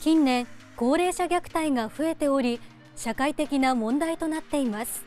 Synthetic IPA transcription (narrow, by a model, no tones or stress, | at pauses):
kʲĩnːẽ̞ŋko̞ːɾe̞ːɕaɡʲakɯ̥t̪aiɡaɸɯ̟e̞t̪e̞o̞ɾʲi | ɕakait̪e̞kʲinamõ̞nd̪ait̪o̞nat̪ːe̞imasɨ̥